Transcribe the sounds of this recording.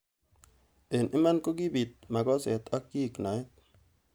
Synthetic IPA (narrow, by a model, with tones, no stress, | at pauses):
e˨nʔɪ˦ma˦nko˦ki˦bi˨t̪̚ma˨kɔ˦sɛ̰˨t̪a˦kːi˦˨kna˨ɪ˦t̚